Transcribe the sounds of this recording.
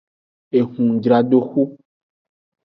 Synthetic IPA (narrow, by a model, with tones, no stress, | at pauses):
e˨hũ˨d͡ʒɾa˨ɖo˨xu˦